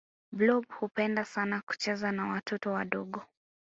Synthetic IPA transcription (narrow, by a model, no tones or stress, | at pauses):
blɔbhupɛndasanaku̥t͡ʃɛzanawatʰɔtɔwaɗɔɠɔ